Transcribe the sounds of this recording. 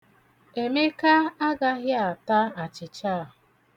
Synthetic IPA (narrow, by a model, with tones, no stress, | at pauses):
e˨me˦ka˦a˦ɡa˦ɣja˨ta˦a˨t͡ʃɪ˨t͡ʃa˦˨